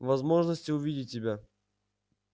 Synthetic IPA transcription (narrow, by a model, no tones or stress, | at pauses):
vɐzmo̞ʐnəsʲtʲɪʊvʲidʲɪt̚ʲːɪbʲa